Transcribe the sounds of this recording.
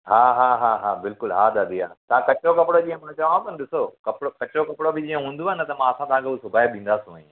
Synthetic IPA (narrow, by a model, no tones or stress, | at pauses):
ɦaːɦaːɦaɦaːbɪlkʊlɦaːd̪aːd̪ijaːt̪ɐʋ̤ãkɐt͡ɕokɐpɪɽod͡ʑĩːə̃mɐ̃t͡ɕɐʋãbɐnɪɗɪsokɐpɪɽokɐt͡ɕɾokɐpɪɽobɪd͡ʑiːə̃ɦũːnd̪uaɦɪnɐt̪ɐmãɐsãt̪ɐɦãkʰuːsʊbʱaːiɓĩːn̆d̪aːsũã